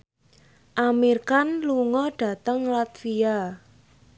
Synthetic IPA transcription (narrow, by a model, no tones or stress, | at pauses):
ʔamirkanluŋɔɖ̥ä̤t̪əŋlat̪fia